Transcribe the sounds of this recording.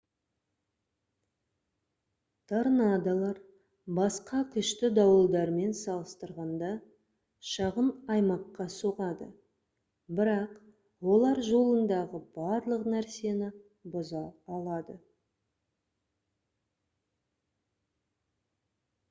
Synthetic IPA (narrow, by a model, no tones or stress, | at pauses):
t̪ʰaɾnad̪ɑlˠɑɾ | bɑsqɑkʲʰʏʃt̪ɪd̪ɑwəlˠd̪ɑɾme̞nsɑlˠəst̪əɾʁɑnd̪ɑ | ʃɑʁənɑjmɑqːɑso̞ʁɑd̪ə̰ | bɪɾɑq | wo̞lˠɑɾʒo̞lˠənd̪ɑʁəbɑɾlˠəqnæɾse̞nɪ | bʊzɑɑlˠɑd̪ə